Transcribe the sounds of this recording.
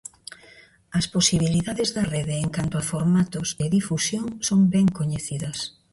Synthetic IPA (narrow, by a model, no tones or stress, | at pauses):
ɐsposiβ̞iliðaðezðɐrɛðɪːŋkant̪oafoɾmat̪ʊzeðifusjoŋsoŋbɛŋkoɲeθiðɐs